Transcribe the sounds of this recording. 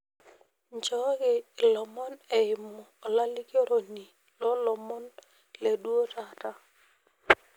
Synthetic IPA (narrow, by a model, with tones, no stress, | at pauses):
ɲt͡ʃɔ˦ɡɪ˨lɔ˨mɔ˦nɛ˨ɪ˨mɔː˨la˦lɪ˦ko˦ɾo˨ni˨ | lɔ˦lɔ˨mɔ˦n | le˨dwo˦ta˨ta˦